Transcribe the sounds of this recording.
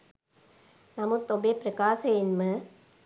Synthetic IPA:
nɐmɯt̪ːobepɾɐkaːsɐɪnmɯ

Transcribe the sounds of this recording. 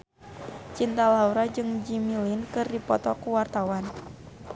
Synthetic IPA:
t͡ʃint̪alauɾad͡ʒɨŋd͡ʒimilinkɨrdipɔ̰t̪ɔkuwart̪awan

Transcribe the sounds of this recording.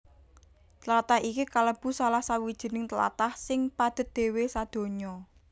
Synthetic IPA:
t̪əlat̪ahɦikikaləb̥ṳsalahsawid̥ʒ̥i̤nɪŋt̪əla̰t̪ahsɪŋpad̪̥ə̤t̪̚d̪̥e̤wesad̪̥o̤ɲɔ

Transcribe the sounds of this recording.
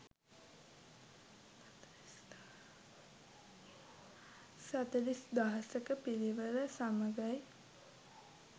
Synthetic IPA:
sat̪əlisd̪aɦəsəkəpiɾiʋəɾəsaməɡaj

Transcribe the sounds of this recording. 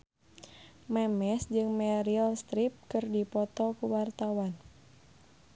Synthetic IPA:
mɛmɛsd͡ʒɨŋmɛɾilst̪ɾip̚kɨrdipɔt̪ɔkuwart̪awan

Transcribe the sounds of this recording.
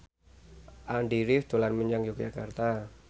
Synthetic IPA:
ʔanɖiɾɪfd̪̥olanməɲaŋd͡ʒɔk̚d͡ʒakart̪a

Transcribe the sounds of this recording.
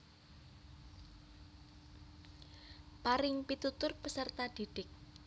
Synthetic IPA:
paɾɪŋpit̪ut̪ʊrpəsərt̪ad̪̥id̥ɪk̚

